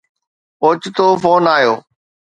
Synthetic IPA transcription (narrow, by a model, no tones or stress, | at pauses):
ʊt͡ɕt̪oːfoːnaːjoː